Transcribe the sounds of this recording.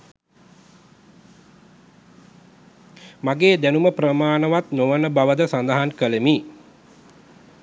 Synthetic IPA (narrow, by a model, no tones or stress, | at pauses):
maɡeːd̪ænuməprəmaːnəʋat̪noʋənəbaʋəd̪əsand̪əɦankələmi